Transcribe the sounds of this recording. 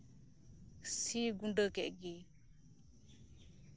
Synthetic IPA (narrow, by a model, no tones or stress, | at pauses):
siɡuɳɖəkɛʔɡi